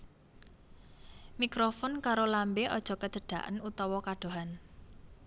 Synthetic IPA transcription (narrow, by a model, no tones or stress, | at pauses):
mikɾofɔnkaɾolambeʔɔd̥ʒ̥ɔ̤kə̥d͡ʒ̥ə̤ɖ̥a̤̰ʔə̰nut̪ɔwɔkaɖ̥oɦan